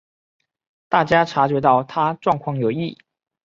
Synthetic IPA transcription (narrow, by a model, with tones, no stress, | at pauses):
t̪a˥˩t͡ɕja˥ʈ͡ʂʰa˧˥t͡ɕɥɛ˧˥t̪ɑ˥˩ʊt̪ʰa˥ʈ͡ʂwɑ˥˧ŋkʰwɑ˥˩ŋjo˨˧˩ʊi˥˩